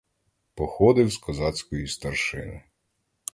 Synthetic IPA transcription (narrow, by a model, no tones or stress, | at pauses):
pɔxɔd̪ɪwskɔzɑt͡sʲkɔjʊst̪ɐrʃɪ̰nʊ̰